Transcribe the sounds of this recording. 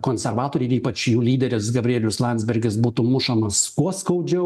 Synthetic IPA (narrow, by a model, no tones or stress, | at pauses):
koːnʲsʲɛrʋɑːt̪oːɾʲɛɪɾiːpɐt͡ʃjuːlʲiːd̪ʲɛɾʲɪsɡɐbʲɾʲiɛːlʲʊslˠɑnʲt̪zʲbʲɛɾʲɡʲɪsbuːt̪umʊʃɐmɐskuɔskɐʊd͡ʒʲɛ